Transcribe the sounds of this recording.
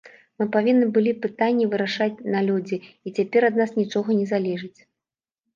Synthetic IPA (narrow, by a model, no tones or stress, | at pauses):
mɨpavʲinːɨbɨlʲipɨt̪anʲːivɨɾaʂat͡sʲnalʲud͡zʲi | it͡sʲapʲɛɾad̪nasnʲit͡ʂɔɣɐnʲɛzalʲɛʐɨt͡sʲ